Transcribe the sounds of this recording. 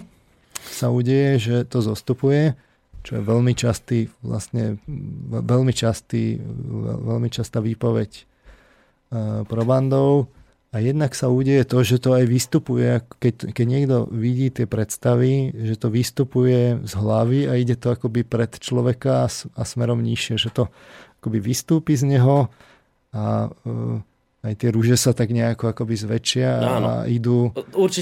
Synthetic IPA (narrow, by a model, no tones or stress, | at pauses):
sauːɟɛjɛʒɛt̪ɔzɔst̪upujɛ | t͡ʃɔjɛ̰ʋɛʎmit͡ʃast̪iːʋla̰st̪ɲɛɛʋɛlmit͡ʃast̪iːɛ̰ʋɛ̰lmit͡ʃast̪aːʋiːpɔʋɛc | pɾɔband̪ɔʊ | ajɛd̪naksauːɟɛjɛt̪ɔʒɛt̪ɔajʋist̪upujɛakɛkɛɟɲɪɛɡd̪ɔ̰ʋiɟiːt̪ɪɛpɾɛt̪st̪aʋiʒɛt̪ɔʋist̪upujɛzɦlaʋiaiɟɛt̪ɔakɔbipɾɛt̪t͡ʃlɔʋɛkaːsasmɛɾɔmɲiʃɪɛʒɛt̪ɔ | akɔbiʋist̪uːpizɲɛɦɔ | a | ajt̪ɪɛɾuʒɛsat̪aɡɲɛakɔakɔbizʋɛt͡ʃɪaa̰id̪uːuɾt͡ʃ